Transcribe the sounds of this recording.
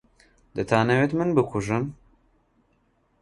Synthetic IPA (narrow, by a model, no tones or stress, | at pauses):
d̪ɨt̪ʰaːnɐwet̪mɨnbɨkʰuʒɨn